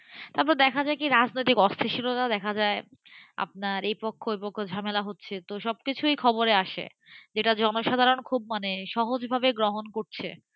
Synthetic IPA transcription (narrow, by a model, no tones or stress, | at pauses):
t̪aɾp̬ɔɾed̪ɛkʰad͡ʑaekiɾad͡ʑnojt̪ikɔst̪ʰeʃilot̪ad̪ɛkʰad͡ʑae | a̰p̚naɾejpokʰːoejpokʰːod͡ʑʱamelaɦotːɕʰet̪oʃɔb̚kit͡ɕʰuejkʰɔboɾeaʃḛ | d͡ʑeʈad͡ʑɔnoʃad̪ʱaɾonkʰub̚maneʃɔɦod͡ʑbʱabeɡɾoɦonkoɾt͡ɕʰḛ